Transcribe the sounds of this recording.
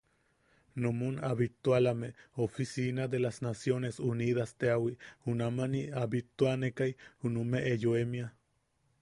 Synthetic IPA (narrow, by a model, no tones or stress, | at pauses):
nomunaβit̪ualameofisinad̪elasnasjonesuniðast̪eawihunamaniaβit̪uanekajhunumeʔːjoemia